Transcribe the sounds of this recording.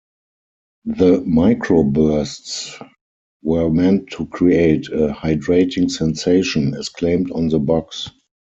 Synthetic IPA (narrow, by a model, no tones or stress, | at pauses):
ðəmaɪkʰɹobɜ˞sts | wɜ˞mɛ̃ntʰːukʰɹieɪtʰəhaɪdɹeɪtɪ̃ŋsɛ̃nseɪʃə̃nɛskʰlẽɪ̃mtɔ̃nðəbɔks